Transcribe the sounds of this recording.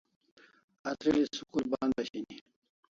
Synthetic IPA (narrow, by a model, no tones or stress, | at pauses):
ɐt̪ɾilisukulbaːnb̪aɕini